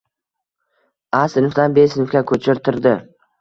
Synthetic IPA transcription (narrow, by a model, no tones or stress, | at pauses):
asɪnfd̪anbesɪnfkʲakʰɵt͡ʃʰɪɾt̪ʰɪɾd̪ɪ